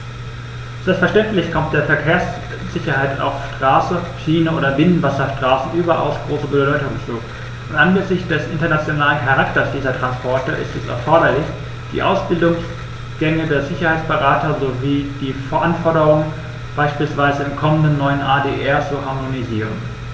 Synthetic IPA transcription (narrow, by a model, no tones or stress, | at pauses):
z̥ɛlp̚fɛɐʃtɛntlɪçkʰɔmt̚d̥eːɐfɛɐkʰeːɐs | z̥ɪçɐhaɪta̰ʊfʃtʁ̥aːsəʃiːnəʔoːdɐbɪnənvasɐʃtʁ̥aːsn̩ʔyːbɐʔa̰ʊsɡ̥ʁoːsəbədɔʏtʊŋt͡suː | ʔʊntʔanɡəzɪçtd̥ɛsʔɪntɐnat͡sjonaːlənkʰaʁaktɐsd̥iːzɐtʁ̥anspʰɔɐtɐʔɪ̰stɛsɛ̰ɐfɔɐɾɐlɪç | d̥ḭːʔaʊsb̥ɪldʊŋs | ɡ̥ɛŋədeːɐzɪçɐhaɪt͡sb̥əʁaːtɐzoviːd̥iːfɛɐʔanfɔɐɾəʁʊŋən | b̥aɪʃpiːlsv̥aɪzəɪmkʰɔməndənːɔʏənʔaːdeːʔɛɐt͡suhaɐmoniziːʁ̞ən